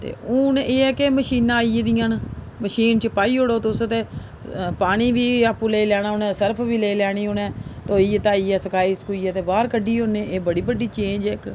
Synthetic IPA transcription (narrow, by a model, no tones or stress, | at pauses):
t̪ḛːʊneːɛːkeməʃiːnãːaːid̪ijãːn | məʃiːnt͡ʃəpaːiːoɽoːt̪eʊsət̪eː | paːɽ̃iːbiːaːpːũlelɛːɽ̃aːʊnɛ̃ːsəɾpʰʋiːleːlɛːɽ̃iːʊnɛ̃ːt̪oːiːət̪aːiːɛːsəkaːiːskuːiːɛːt̪eːbaːɾkəɖiːɦonẽːeːbəɽiːbəɖiːt͡ʃẽːnd͡ʒɛk